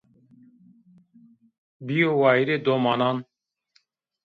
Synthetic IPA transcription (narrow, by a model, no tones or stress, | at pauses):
biowajɾɛd̪ɔmanan